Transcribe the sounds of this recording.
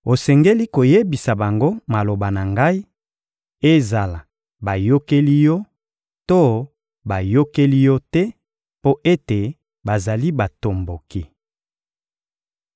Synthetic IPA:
o˨sɛ˨ŋɡe˦li˦ko˨je˦bi˨sa˨ba˨ŋɡo˦ma˨lo˨ba˨na˨ŋɡa˦i˦ | e˦za˨la˨ | ba˨jo˦ke˦li˦jɔ˦ | to˦ | ba˨jo˦ke˦li˦jɔ˦tɛ˦ | po˦ʔe˦te˨ | ba˨za˨li˦ba˨to˨mbo˨ki˦

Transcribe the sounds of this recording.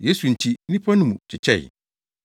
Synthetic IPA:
je˦su˨n̩˨tʰi˨˦nĩ˦pʰã˦nʊ̃˦mũ˨t͡ɕʰɪ˨t͡ɕʰɛ̰˦˨

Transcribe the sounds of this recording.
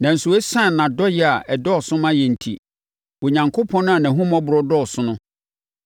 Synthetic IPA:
nã˨n̩˨su˨ɛ˦sã˦˨nã˨dɔ˦jɛ˨a˨ʔɛ˨dɔ˦ɔ˨sʊ̃˦mã˦jɛ˨n̩˨tʰḭ˨ | wo˨ɲã˨ŋkʰo˦pʰɔ̃˦nʊ̃˦a˨nã˨ɦũ˦mɔ̃˦bʊ˨ɾɔ˦dɔ˦˨ɔ˨sʊ̃˦nʊ̃˦

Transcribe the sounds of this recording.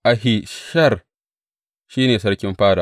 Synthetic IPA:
ʔa˨ɦɪ˨ʃɐ˦˨r | ʃiː˦neː˨sɐ˦ɽkʲɪ˦mɸaː˦daː˨

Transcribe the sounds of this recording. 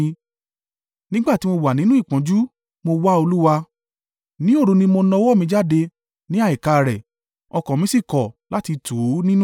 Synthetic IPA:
nĩ˦ɡ͡ba˦˨ti˨˦mo˧wa˨nĩ˨˦nũ˦i˦˨k͡pã˨˦d͡ʒu˦ | mo˧wa˦o˧lu˦wa˧ | nĩ˨˦o˦˨ɾũ˧nĩ˧mo˧nɔ̃˧˦wɔ˦˨mĩ˧d͡ʒa˦de˧ | nĩ˦a˦˨i˨ka˨ɾɛ˨ | ɔ˧kɔ̃˨mĩ˦si˦˨kɔ˨la˨˦ti˧tu˨˦nĩ˦nũ˦

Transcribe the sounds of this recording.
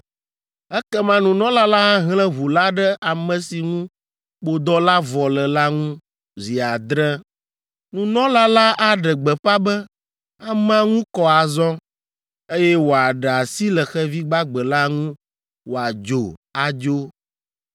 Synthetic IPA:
ɛ˦kɛ˦mã˦nũ˨nɔ̃˦la˦la˦ɦa˦ɦlɛ̃˦βu˨la˦ɖɛ˦a˨mɛ̃˨si˨ŋũ˦ | k͡po˨d̪ɔ˦la˦vɔ˨lɛ˨la˦ŋũ˦ | zi˨a˨d̪ɾɛ˦ | nũ˨nɔ̃˦la˦la˦ʔa˦ɖɛ˨ɡ͡bɛ˨ɸa˦bɛ˦ | a˨m˦ã˦ŋũ˦kɔ˦a˨zɔ˦ | e˦jɛ˦wo˨a˨ɖɛ˨a˨si˦lɛ˨xɛ˦vi˦ɡ͡ba˦ɡ͡bɛ˨la˦ŋũ˦ | wo˨a˨d͡ʒo˨a˨d͡ʒo˦

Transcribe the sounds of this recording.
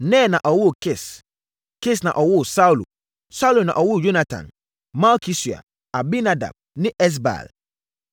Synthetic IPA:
nɛ̃˦˨nã˨ʔɔ˨wʊ˦˨kɪ˦˨s | kɪ˦˨snã̰˨ʔɔ˨wʊ˦˨sa˦u˦lṵ˨ | sa˦u˦lu˨nã̰˨ʔɔ˨wʊ˦˨jo˦na˨tʰã̰˨n | ma˦kʰi˦si˨a̰˨ | a˨bi˦na˦da̰˨b̚nɪ̃˦ʔɛ˦s̬ba̰˨l

